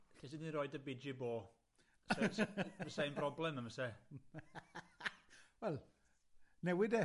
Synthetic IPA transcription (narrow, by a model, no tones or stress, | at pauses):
ɬisɪndinrɔɨdəbɪd͡ʒɪboː | ssəsanbrɔblɛməməsɛ | wɛlˠ | nɛwɪdɛ